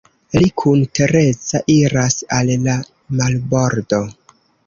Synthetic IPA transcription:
likʰuntʰe̞ɾe̞t͡saʔiɾasalːa | malbo̞ɾdo̞

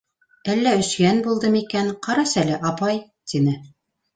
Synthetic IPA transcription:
ælːæɵ̆skænbulˠd̪ɤmikænqɑɾɑsælɘʔɑpɑj | t̪inɘ

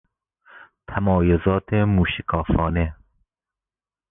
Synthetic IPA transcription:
t̪ʰamɔːjʊzɔːt̪ʰemuːʃikʰɑːfɔːne

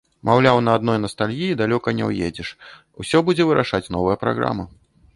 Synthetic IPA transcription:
mawlʲawnɐːd̪nɔjnɐst̪alʲɣʲiid̪alʲɔkɐnʲɛ̰wjḛd͡zʲɛʂ | wsʲɔbud͡zʲɛvɨɾʔaʂat͡sʲnɔvɐjɐpɾa̰ɣɾa̰mɐ

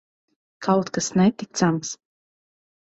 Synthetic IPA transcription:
kʰawt̪kasnɛt̪ik̚t̪sams

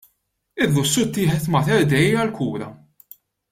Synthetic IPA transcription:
ɪlːʊsːʊt̪ːɪːħɛt̪mɐt̪ɛɾd̪ɛjɐlkʰuːɾɐ̰

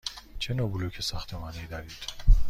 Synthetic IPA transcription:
t͡ʃʰenobulokʰesæxt̪ʰemɒːneid̪ɒɾiːd̪̥

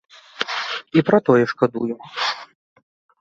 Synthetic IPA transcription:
ipɾɐt̪ɔjɛʂkad̪ṵju

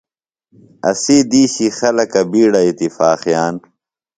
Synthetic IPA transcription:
ɐ̰siːd̪iːɕixɐlɐkɐbiːɽɐit̪ifaːxjaːn

